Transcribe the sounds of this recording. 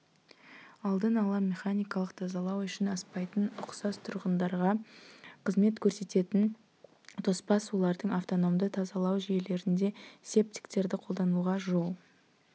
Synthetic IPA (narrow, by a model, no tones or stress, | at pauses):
ɑlˠd̪ənɑlˠɑmʲe̞χanʲijkɑlˠəqt̪ʰɑzɑlˠɑwʏʃɪnɑspɑjt̪ənʊqsɑst̪ʰʊɾʁənd̪ɑɾʁɑqʰəzme̞t̪kʲʰɵɾse̞t̪e̞t̪ɪn | t̪ʰo̞spɑsolˠɑɾd̪əɴaft̪o̞no̞md̪ət̪ʰɑzɑlˠɑwʒije̞le̞ɾɪnd̪e̞se̞p̚t̪ʲi̥kt̪e̞ɾd̪ɪqʰo̞lˠd̪ɑnuʁɑʒo̞lˠ